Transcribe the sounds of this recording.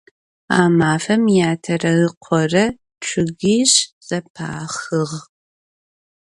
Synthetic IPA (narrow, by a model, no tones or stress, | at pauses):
a̰ːmaːfɐmjaːtʰɐrɐɨqʷʰɔrɐ | t͡ʃʷʰʊɣiːɕz̥ɐpʰa̰ːχɨʁ